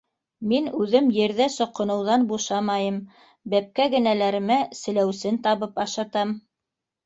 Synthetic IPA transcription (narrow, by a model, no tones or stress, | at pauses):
minʉðɘmjɘ̆ɾðæsŏqːɤ̆nɤ̆wðɑnbuʃɑmɑjɤm | bæp̚kæɡɘ̆nælæɾɘ̆mæsɘ̆læwsɘnt̪ɑβɤpɑʃɑt̪ɑm